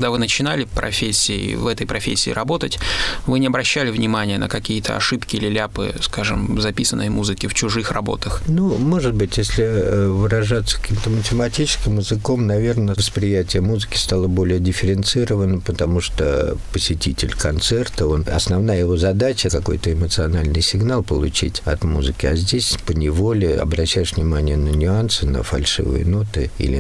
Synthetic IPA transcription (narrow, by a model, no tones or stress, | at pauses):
ɡd̪avɨnət͡ɕɪnalʲɪpɾɐ̰fʲesʲːɪːvɛt̪əjpɾɐfʲesʲːɪ̰ːɾɐbo̞t̪ətʲvɨnʲɪɐbɾɐɕːælʲɪvnʲɪmanʲɪjənə̰kɐkʲijət̪ʰə̰ɐ̰ʂɨpkʲɪlʲɪlʲapɨ̰skaʐɨ̰mzɐpʲisənːəjmuzɨkʲɪft͡ɕʊʐɨxrɐ̰bo̞̰t̪əxnumo̞ʐɨt̪̚bɨtʲjesʲlʲɪvɨɾɐʐat̪sːə̥kɐ̥kʲimt̪əmətʲɪmɐtʲit͡ɕɪ̥skʲɪmɪzɨko̞mnɐvʲe̞rnəvəspɾʲɪjætʲɪjəmuzɨkʲɪ̥st̪alˠəbo̞lʲɪjədʲɪfʲɪɾʲɪnt̪sɨɾəvənːəpət̪ɐmuʂt̪o̰pəsʲɪtʲitʲɪlʲkɐnt̪sɛrt̪əo̞nɐ̰snɐvnajəjɪvo̞zɐd̪at͡ɕəkɐko̞̰jt̪əɪmət̪sɨɐnalʲnɨjsʲɪɡnalˠpəlˠʊ̰t͡ɕḭtʲɐt̪muzɨkʲɪazʲdʲesʲpənʲɪvo̞lʲɪɐ̰bɾɐɕːæjɪʂvnʲɪmanʲɪjənənʲʊansɨnə̰fɐlʲʂɨ̰vɨ̰jə̰no̞t̪ɨ̰ḭlʲɪ̰